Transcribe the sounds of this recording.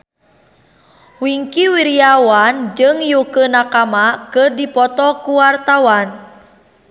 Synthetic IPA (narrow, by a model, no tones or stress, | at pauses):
wiŋkiwiɾiawand͡ʒɨŋjukənakamakɨrdipɔt̪ɔkuwart̪awan